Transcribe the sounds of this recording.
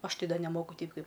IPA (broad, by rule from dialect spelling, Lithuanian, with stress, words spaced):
ˈɐʃ ˈtʲɛɪ ˈdɐ nʲɛˈmoːkʊ ˈtʲɛɪp ˈkɐɪp